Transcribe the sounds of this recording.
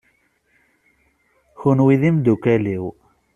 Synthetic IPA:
çunwiðimd̪ukæliw

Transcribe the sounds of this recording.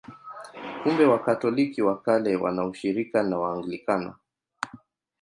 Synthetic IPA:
kumbɛwakatɔlikiwakalɛwa̰nauʃiɾikanawaːŋɡlikana̰

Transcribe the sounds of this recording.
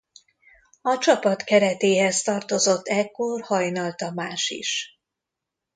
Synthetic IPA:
ɒt͡ʃɒpɒt̪kɛɾɛt̪eːɦɛst̪ɒrt̪o̞zo̞t̪ːɛkːorhɒjnɒlt̪ɒmaːʃḭʃ

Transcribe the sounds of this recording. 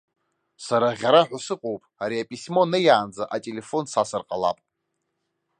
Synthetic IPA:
saɾaʁʲaɾaħʷᶣasɨqʼowpʼaɾiapʼisʲmo̞nɨjaːnd͡zaʔatʼele̞fo̞nsasɨrqʼala̰pʼ

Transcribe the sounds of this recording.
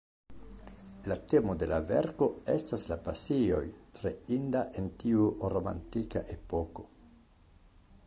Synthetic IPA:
late̞mo̞de̞lave̞̰ɾko̞e̞staslapasio̞jtɾe̞indaʔe̞ntiuɾo̞ma̰ntika̰ʔe̞po̞ko̞

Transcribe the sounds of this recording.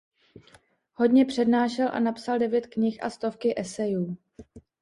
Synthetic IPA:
ho̞dɲɛpr̝̥ɛdnaːʃɛlʔa̰napsaldɛvjɛt̪kɲɪxʔa̰st̪o̞fkɪʔɛsɛjuː

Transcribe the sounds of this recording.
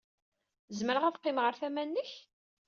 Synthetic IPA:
zməɾəʁæðqːɪmʁəɾθæmænːəç

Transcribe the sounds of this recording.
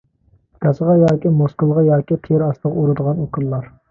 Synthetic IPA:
kʲɑsəʁɑjɑːkʲimoskəlˠʁɑjɑːkʲit̪ʰɾɑst̪əʁɑuɾɨd̪əʁɑnokʰulˠlːˠɑɾ

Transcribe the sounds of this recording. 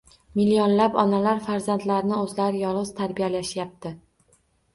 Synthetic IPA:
milijɒnlapɒnalaɾfaɾzant̪laɾɪnɪɵzlaɾɪjɒlˠʁɨz̥t̪ʰaɾbijalaʃjap̚t̪ʰɪ

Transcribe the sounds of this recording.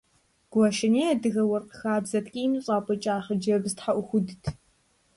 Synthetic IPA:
ɡ̥ʷɔʃɪneːadɨɣɐwɐrqəxaːbzɐtʰʼkʲʼiːmɨɕʼaːpʼɔt͡ʃʼaːχɐd͡ʒɐbztħaʔʷʊxʷʊdɨtʰ

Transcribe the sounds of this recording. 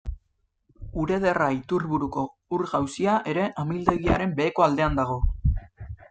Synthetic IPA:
uɾe̞ð̞e̞rait̪uɾβuɾuko̞ | uɾɣawsiaʔe̞ɾe̞ʔamild̪e̞ɣ̞iaɾe̞mbe̞ːko̞ald̪e̞and̪aɣ̞o̞

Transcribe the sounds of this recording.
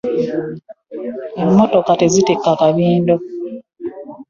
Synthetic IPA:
emːoto̞katezitekːakaβiːndo̞

